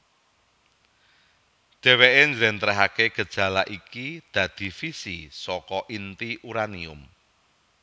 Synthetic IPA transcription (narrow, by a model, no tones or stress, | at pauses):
d̪̥eweʔeɲd͡ʒɾɛnt̪ɾaɦakeɡ̥ə̤d̥ʒ̥ä̤laʔikid̪̥ä̤d̪̥i̤fisisɔkɔʔint̪iʔuɾaniʊ̰m